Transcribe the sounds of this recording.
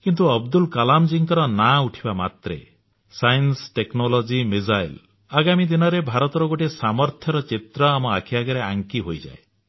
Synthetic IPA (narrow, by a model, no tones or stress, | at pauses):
kint̪uɔbd̪ulkalamd͡ʒiŋkɔɾɔnauʈʰibamat̪ɾḛ | sajnsʈeknɔlɔd͡ʒimid͡ʒajl | aɡamid̪inɔɾebʱaɾɔt̪ɔɾɔɡoʈesamɔɾt̪ʰjɔɾɔt͡ʃit̪ɾɔamɔakʰibaɡɔɾeaŋkiɦojd͡ʒa̰e